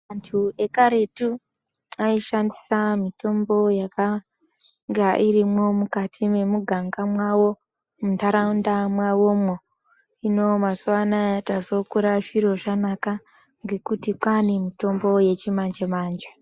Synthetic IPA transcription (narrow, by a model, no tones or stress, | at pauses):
antʰue̞kaɾe̞tu | aiʃandisamito̞mbo̞jaka | ŋɡaʔiɾimo̞mukatʰime̞muɡʱaŋɡamwawo̞ | muntaɾaundamwawo̞mo | ino̞masuwanatazo̞kuɾaʐiɾo̞ʐanaka | ŋɡe̞kutikwanimito̞mbo̞je̞t͡ʃimand͡ʒemaːnd͡ʒe